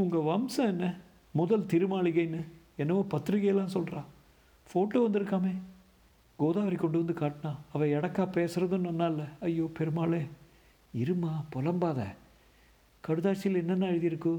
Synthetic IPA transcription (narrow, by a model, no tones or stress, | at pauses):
ʊŋɡɐʋɐmsɐ̃ɛnːɐ | mʊðɐlt̪ɪɾɯmaːɭɪɣɐɪnːɯ | ɛnːɐʋoːpɐt̪ːɾɪɣɐjɐlːãːsɔlrãː | foːʈlɐʋɐnd̪ɪɾɯkːaːmeː | ɡoːðaːʋɐɾɪkːɔɳɖɯʋɐnd̪ɯkaːʈːnãːɐʋɐ̃ɛɽɐkːaːpeːsɯɾɐðɯ̃nːɐnːaːɪlːɐɐjːoːpɛɾɯmaːɭeː | ɪɾɯmaːpɔlɐmbaːðɐ̰ | kɐɽɯðaːt͡ʃːɪlɛnːɐnːãːɛɻɯðɪɪɾɯkːɯ̃